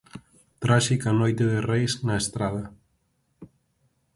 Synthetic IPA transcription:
t̪ɾaʃikanojt̪eðerejznaest̪ɾað̞a

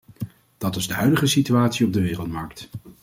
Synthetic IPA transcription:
d̥ɑtɪzdəɦœɥdəχəsityaːtsiɔb̚dəʋɪːrəlˠtmɑɹk̚t

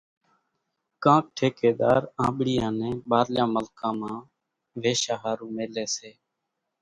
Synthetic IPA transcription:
kãːk̚ʈʰeːkeːɗ̪aːɾãːɓɽɪjãːnɛ̃ːɓaːɾljãːməlkãːmãː | ʋeːʃaːɦaːɾũːmeːleːseː

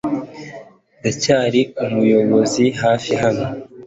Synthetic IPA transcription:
ɡacaːɾiumujo̞βo̞ziɦaːfiɦano

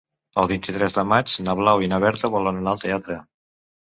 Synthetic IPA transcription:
əlˠβint̪it̪ɾɛzd̪əmat͡ʃnəβlawinaβɛɾt̪əβolənənalˠt̪eat̪ɾə

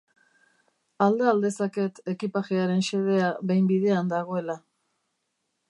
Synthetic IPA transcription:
ald̪eald̪e̞sake̞t̪e̞kipaʝeaɾe̞nse̞ð̞e̞aβe̞jmbiðe̞and̪aɣ̞o̞e̞la

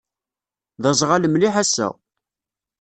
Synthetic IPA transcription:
ðɑzˤʁaləmliħasːæ̰

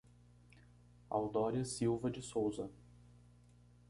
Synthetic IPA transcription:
a̰wd̪ɔɾjɐsiwvɐd͡ʒɪsowzɐ

